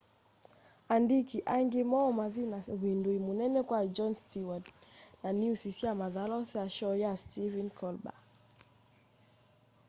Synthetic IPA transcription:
andikiʔaŋɡimɔːmaðinawinduimunɛnɛkwad͡ʒɔnstiwadnaniusisiamaðalɔsaʃɔjastivinkʰɔlba̰

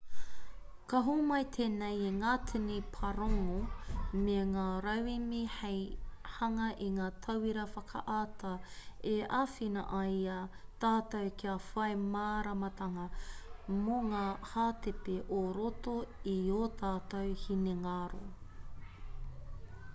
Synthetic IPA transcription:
kɐɦumɐjt̪ʰeːnejeŋaːtʰʉnipʰɐɾoŋomeŋaːɾɐwimihejhɐŋɐʔiŋaːt̪ʰɐwiɾɐfɐkʰɐ̰ʔaːt̪ɐeʔaːfinɐ̰ʔɐiɐt̪aːt̪ɐwkiɐfɐjmaːɾɐmɐt̪ɐŋɐ | moŋaːhaːt̪epeʔoɾotoioːtʰaːt̪ɐwhineŋaːɾo̰

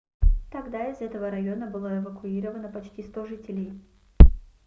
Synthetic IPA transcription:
t̪ɐɡd̪aɪzɛt̪əvəɾɐjo̞nəbɨlˠəɛvəkʊiɾəvənəpɐt͡ɕtʲist̪oʐɨtʲɪlʲɪj

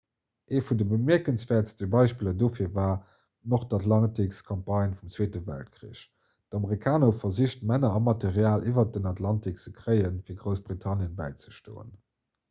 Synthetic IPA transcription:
ʔeːfundəbəmiɐkənsv̥ɛːɐtstəbɑɪʃpiːlɐdoːfiːɐvaː | noχtɑtʰlɑntikskʰɑmpɑɪnfumt͡sweːtəvæ̰lt̚kʁḭːəɕ | d̥ɑməʁikʰaːnofɐziɕtmænɐɑmɑteʁjaːlʔivɐt̚dənɑtʰlɑntik̚t͡səkʁɜɪənfiːɐɡʁəʊsb̥ʁitʰɑnjənbæ̰ɪt͡sə̥ʃto̰ːə̰n

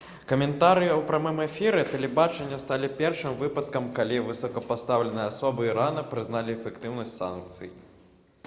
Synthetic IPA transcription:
kɐmʲɛnt̪aɾɨjɐwpɾamɨmɛfʲiɾɛt̪ɛlʲɛbat͡ʂɛnʲːɐst̪alʲipʲɛrʂɨmvɨpɐt̪kɐmkalʲivɨsɐkɐpast̪awlʲɛnɨjɐasɔbɨiɾanɐpɾɨznalʲiɛfʲɛkt̪ɨwnɐsʲtʲsa̰nk̚t̪sɨ̰ji

